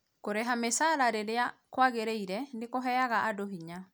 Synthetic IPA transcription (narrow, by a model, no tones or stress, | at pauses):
koɾeɦamesalaɾeɾeakwaɣeɾeiɾɛndekɔɦɛjaɣaʔːdoɦiɲa